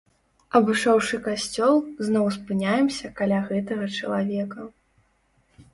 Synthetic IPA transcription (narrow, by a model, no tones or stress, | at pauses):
ɐbɨʂɔwʂɨkasʲt͡sʲɔlˠznɔwspɨnʲajɛmsʲɐkalʲaɣɛt̪ɐɣɐt͡ʂɐlˠavʲɛkɐ